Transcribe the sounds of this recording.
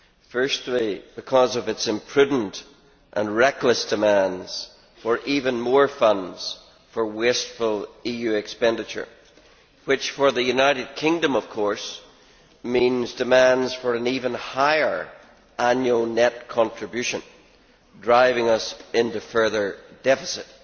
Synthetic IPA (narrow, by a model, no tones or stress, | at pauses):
fɜ˞stˡlib̥ɪkʰɔzʌvɨtsɪ̃mpʰɹ̥ʉdⁿn̩t | ʔə̰̃nɹɛklˠəsd̥ɨmãndz̥ | fə˞ʔivə̃nmɔɹfʌ̃ndz̥ | fə˞westfəl̩ˠijʉɪkspɛ̃ndɪt͡ʃə̰˞ | wɪt͡ʃfə˞ðɨjʉnaɪɾɨd̚kʰɪ̃ŋdə̃mʌv̥kʰɔɹs | mĩnzdɨmãndz̥fə˞ə̃nivə̃nhaɪə˞ | ãnjʉl̩ˠnɛt̚kʰɔ̃ntɹ̥ɨbjʉʃə̃n | dɹaɪvɪ̃ŋʌsɪ̃ntʉfɜ˞ðə˞dɛfə̥sɪt̚